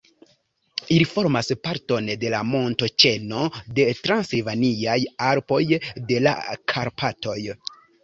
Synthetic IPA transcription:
ilifo̞ɾmaspaɾto̞nde̞lamo̞nto̞t͡ʃe̞no̞de̞tɾansilvaniajaɾpo̞jde̞la̰kʰaɾpʰato̞j

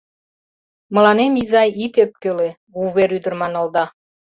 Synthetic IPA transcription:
mɤ̆lɑnemizɑjit̪ep̚køle | βuβeɾyd̪ə̆rmɑnɤ̆lˠd̪ɑ

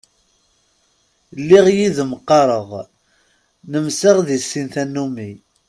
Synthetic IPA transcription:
lːiʁjiðəmqːɑɾˤəʁ | nəmsəʁðisːinθænːumi

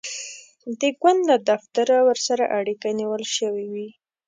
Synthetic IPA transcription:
d̪əɡwand̪lad̪aft̪aɾawəɾsaɾaʔaɽikaniwəlʃəwiwi

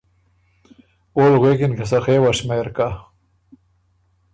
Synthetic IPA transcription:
oːlɣekɪnkasaxewaʂmejɾka

